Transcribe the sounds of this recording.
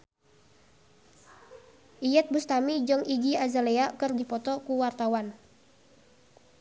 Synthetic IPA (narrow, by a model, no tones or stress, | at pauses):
ʔijɛt̪̚bust̪amid͡ʒəŋid͡ʒiazaleakɨrdipɔt̪ɔkuwart̪awan